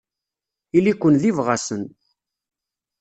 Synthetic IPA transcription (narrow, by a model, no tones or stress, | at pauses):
ilikʷːənðivʁasən